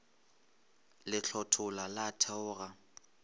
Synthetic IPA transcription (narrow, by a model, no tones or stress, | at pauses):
lɪt͡ɬʰɔtʰʊlalatʰɛʊːɣa